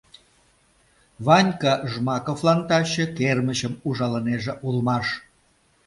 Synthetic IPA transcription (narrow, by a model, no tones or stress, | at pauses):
βɑnʲkɑʒmɑkoflɑnt̪ɑɕĕkerməɕəmuʒɑləneʒĕʔulmɑʃ